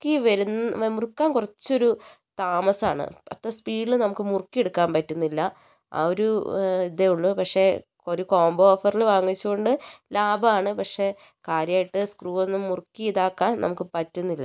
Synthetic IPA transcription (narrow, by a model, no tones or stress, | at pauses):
kːiʋɐɾunːmurkːaːnkurɐt͡ɕːo̞ɾu | t̪aːmɐsaːɳɨ̰ɐ̰t̪ːɐspiːɨnɐmukːɨmurkːieɽukːaːnpɐtːunːilːɐ | ɐ̰oɾuiðeuɭːupɐkʂe̞ | oɾuko̞ːmboːfɐrilʋaːŋːit͡ɕːuɣo̞ɳɖɨlaːbɐaːɳɨpɐkʂe̞ | kaːɾjaːjiʈːɨskruːo̞nːumːurkːiiðaːkːaːnnʔɐ̰mukːɨpɐtːunːilːɐ̰